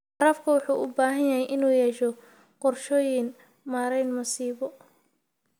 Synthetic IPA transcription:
ɐɾɐfkʰɐwʊħuːʔʊbaːɦɐnjɐɦɛjʔɪnuːjɛːʃɔ | qɔrʃɔːjɪn | maːɾɛjnmʊsiːβɔ

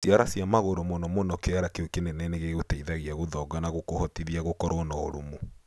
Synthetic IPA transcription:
sjaɾasjamaɣoɾɔmɔnɔmɔnɔkeaɾakeokenenɛneɣeɣotɛiðaɣiaɣoðɔɡanaɣokohɔtiðiaɣokɔɾɔnɔoɾomo

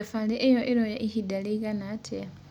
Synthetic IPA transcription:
faleʔejoʔeɾojaʔihidaliɡanatʰea

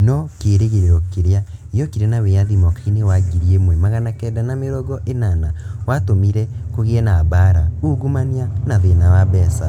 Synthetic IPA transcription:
nɔkeɾeɣeɾeɾɔkeɾeaijɔkiɾanaweaðimɔkainewaɡiɾiemwɛmaɣanakɛdanameɾɔɣɔʔenanawatomiɾɛkoɣeɛnabaɾauɣumanianaðenawabɛsa

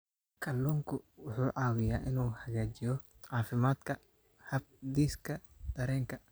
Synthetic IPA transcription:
kʰɐlːuːŋkʰʊwʊħuːʕɑːwɪjaːʔɪnuːhɐɣaːt͡ʃɪjɔ | ʕɑːfɪmaːd̪̥kʰɐ | hɐb̚d̪iːskʰɐd̪̥ɐɾɛːŋkʰɐ

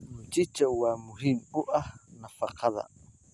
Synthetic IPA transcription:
nut͡ʃit͡ʃauwamuɦimuʔanafaqʰaða̰

